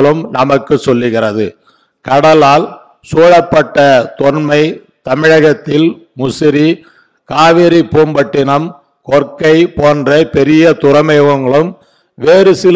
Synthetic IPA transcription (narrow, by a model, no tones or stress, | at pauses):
ɭɯmnɐmɐkːɯsɔlːɯɣɪrɐðɯ | kɐɽɐlaːl | suːɻɐpːɐʈːɐt̪ɔnmɐɪ | t̪ɐmɪɻɐɣɐt̪ːɪlmʊsɪɾi | kaːʋɪɾipːuːmbɐʈːɪnɐm | kɔrkɐɪpoːndrɐpɛɾɪjɐt̪ʊɾɐmɐjʋɐŋɡɐɭɯm | ʋeːɾɯsɪl